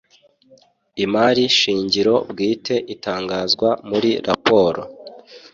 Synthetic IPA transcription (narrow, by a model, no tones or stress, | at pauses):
imaɾiʃiːɲɟiɾo̞bɡiːtʰe̞ʔitaːŋɡaːzɡwamuɾiɾapo̞ːɾo̰